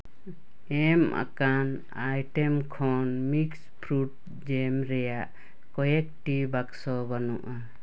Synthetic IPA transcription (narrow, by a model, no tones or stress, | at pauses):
ɛma̰kan | ajʈɛmkʰɔnmikspʰɾuʈ̚ | d͡ʒɛmɾɛjaʔ | kɔjɛk̚ʈibaksɔbanuʔa